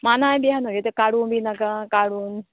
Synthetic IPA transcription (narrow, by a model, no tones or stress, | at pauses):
maːnãːẽɓiɦənoɡet̪ɐkaːɽuːnbʱinɐkãkaːɽuːn